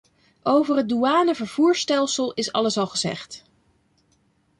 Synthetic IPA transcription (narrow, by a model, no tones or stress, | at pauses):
ʔowvərɦəd̚duaːnəvəɹv̥uːɹstɛlˠsəlˠɪsɑ̰ləsɑlˠχəzɛ̰χt